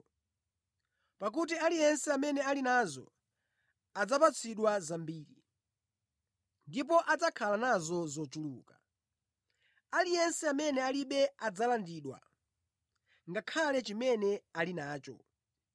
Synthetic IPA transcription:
pak̬ut̬ialijɛnsɛamɛnɛalinazɔ̰ | ad͡zapat͡sʰiɗwazambiːɾi | ndip̬ɔʔad͡zakʰalanazɔzɔt͡ʃulṵːka | alijɛnsɛamɛnɛaliɓɛad͡zalandiɗwa̰ | ŋɡakʰalɛt͡ʃimɛnɛalinaːt͡ʃɔ̰

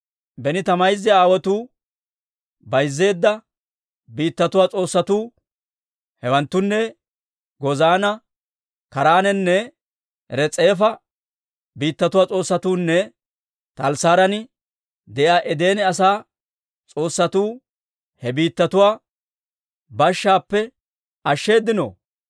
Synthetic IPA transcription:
bɛnɪt̪ɐmɐjzɛaːwɔt̪uː | bɐjzːe̞ːd̪ːɐ | biːt̪ːɐt̪ʊwaːt͡sʼo̞ːsːɐt̪uː | hɛwɐnt̪ːʊnːɛ | ɡɔzaːnɐ | kɐɾaːnɛnːɛ | ɾɛt͡sʼe̞ːfɐ | biːt̪ːɐt̪ʊwaːt͡sʼo̞ːsːɐt̪uːnːɛ | t̪ɐlsaːɾɐnɪ | d̪ɛʔjaːʔɛd̪e̞ːnɛɐsaː | t͡sʼo̞ːsːɐt̪uː | hɛbiːt̪ːɐt̪ʊwaː | bɐʃːaːpːɛ | ɐʃːe̞ːd̪ːɪno̰

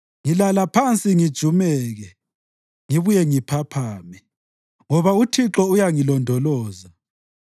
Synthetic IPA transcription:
ŋilalapʰant͡sʼiŋid̥ʒ̥ʱumɛɣɛ | ŋiβujɛŋipʰapʰaːmi | ŋɔβautʰiǁɔujaŋilɔndʱɔlɔːza

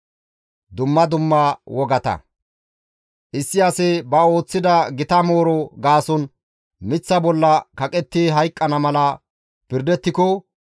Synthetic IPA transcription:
d̪ʊmːɐd̪ʊmːawɔɡɐt̪ɐ̰ | ʔɪsːɪɐsɛbɐo̞ːt͡sːɪd̪ɐɡɪt̪ɐmo̞ːɾɔɡaːsɔn | mɪt͡sːɐbɔlːɐkɐkʼɛt̪ːiɦɐjkʼːɐnɐmɐlɐ | pɪɾd̪ɛt̪ːɪkɔ

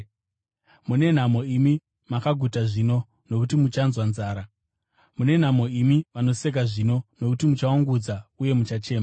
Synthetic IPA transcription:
mune̞n̤amo̞imi | makaɡʱutaʐino̞ | no̞kutimut͡ʃanzwanzaːɾa | mune̞n̤amo̞imiʋano̞se̞k̬aʐino̞no̞kutimut͡ʃawaŋɡud͡zauje̞mut͡ʃat͡ʃe̞ːma

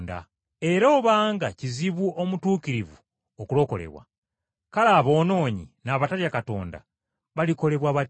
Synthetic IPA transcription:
nda̰ | e̞ɾoːβaːŋɡaciziβuo̞mutuːkiɾivu | okulo̞ko̞le̞̰βwa̰ | kalaːβo̞ːno̞ːɲḭnaːβataljakato̞ːnda̰ | βaliko̞le̞βwaːβa

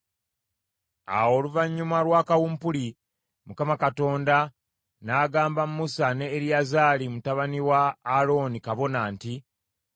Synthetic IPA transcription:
a̰wo̞ːluvaɲːumalwaːkawumpuli | mukamakato̞ːnda | naːɡaːmbammusaneːɾiazaːlimutaβaniwaːlo̞nikaβo̞naːnti

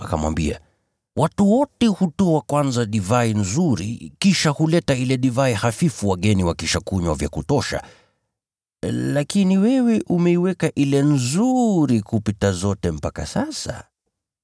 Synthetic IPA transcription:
akamwa̰mbia̰ | watuwɔtɛhutɔakwanzaɗivainzuɾḭkiʃahulɛtailɛɗivaihafifuwaɠɛniwakiʃakuɲwavja̰kutɔʃa̰ | lakiniwɛwɛʔumɛiwɛkaʔilɛnzuɾikupitazɔtɛm̩paka̰sasa̰

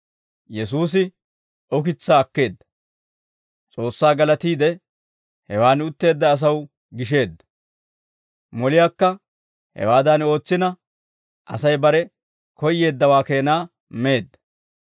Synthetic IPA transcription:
jɛsuːs̬ɪ | ɔk̬ɪt͡sːaːkːe̞ːd̪ːɐ̥ | t͡sʼo̞ːsːaːɡɐlɐt̪iːd̪ɛ | hɛwaːnʊt̪ːe̞ːd̪ːɐːs̬ɐw | ɡɪʃ̬e̞ːd̪ːɐ̥ | mɔlɪjaːkːɐ | hɛ̰waːd̪ɐno̞ːt͡sːɪnɐ | ʔɐ̰sɐjbɐɾɛ | kɔjːe̞ːd̪ːɐwaːke̞ːnaː | me̞ːd̪ːɐ̥

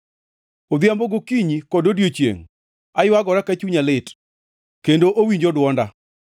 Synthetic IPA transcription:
od̪jamboɡokiɲikɔdodjot͡ʃjḛŋ | ajwaɡɔɾakat͡ʃuɲalɪt | kendoʔowiɲd͡ʒɔdwɔnda

